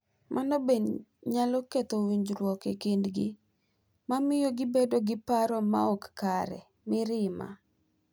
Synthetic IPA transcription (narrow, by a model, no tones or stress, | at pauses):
mʔanɔbenɲalɔket̪owiɲd͡ʒɾwɔkekendɡɪ | mamɪjoɡɪbedoɡɪpaɾɔma̰ɔkkaɾɛ̰ | mɪɾɪma̰